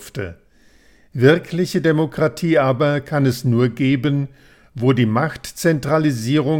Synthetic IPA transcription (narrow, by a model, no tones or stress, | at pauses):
ftə̰ | vɪɐkʰlɪçədemokʁ̥atʰiːaːbɐkʰanɛsnuːɐɡeːbən | voːdiːmaχtt͡sɛntʁ̥aliziːʁ̞ʊ